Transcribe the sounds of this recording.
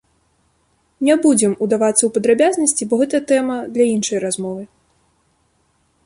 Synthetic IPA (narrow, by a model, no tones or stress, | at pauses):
nʲɛbud͡zʲɛmud̪avat̪sːɐwpɐd̪ɾabʲaznɐsʲt͡sʲibɔɣɛt̪ɐjt̪ɛmɐd̪lʲɐinʂɐjrazmɔvɨ